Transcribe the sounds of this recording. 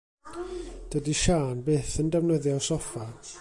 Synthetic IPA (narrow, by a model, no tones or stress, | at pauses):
d̥ədiʃaːnbeːθəndɛwnəðjɔsɔfa